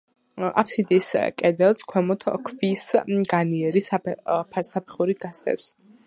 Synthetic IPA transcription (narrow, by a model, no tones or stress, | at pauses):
a̰pʰsid̪iskʼɛd̪ɛlˠskʰwɛmɔt̪ʰkʰvisɡaniɛɾispʰsapʰɛ̥χuɾiɡast̪ʼɛ̰ps